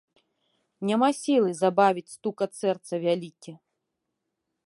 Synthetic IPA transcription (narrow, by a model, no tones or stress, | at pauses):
nʲamasʲilˠɨzabavʲit͡sʲst̪ukɐt̪sɛrt̪sɐvʲalʲikʲɛ